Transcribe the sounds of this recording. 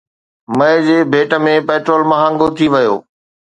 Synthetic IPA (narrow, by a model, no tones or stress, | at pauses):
mɐɪd͡ʑeːbʱeːʈə̆mẽpeːʈɾoːlmɐɦãːŋɡot̪ʰiʋɐjo̰ː